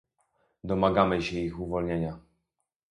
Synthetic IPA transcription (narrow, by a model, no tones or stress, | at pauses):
d̪ɔmaɡamɘɕɛixuvɔlɲeɲa